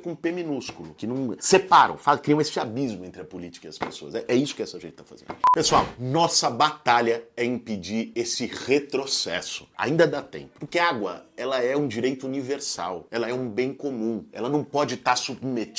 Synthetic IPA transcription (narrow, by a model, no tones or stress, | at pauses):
kõũpemĩnuskulʊkɪnɐ̃w̃sepaɾɐ̰̃w̃fakɾiɐ̃w̃esɪabizmʊẽnt̪ɾɪɐpolit͡ʃi̥kɐiɐspḛsoɐ̰szɛʔɛisʊ̥kɪɛsɐʒẽnt͡ʃɪ̥t̪afa̰zẽnd̪ʊpesuawnɔsɐbat̪aʎɐɛĩped͡ʒiɾesɪʁet̪ɾosɛsʊ̥a̰ĩnd̪ɐd̪at̪ḛ̃pʊpʊɾkeɐaɡwɐɛlɐɛũd͡ʒiɾejt̪ʊuniveɾsa̰wɛlɐɛũbẽj̃komũɛ̰lɐnɐ̃w̃pɔd͡ʒɪt̪aɾsubmet͡ʃ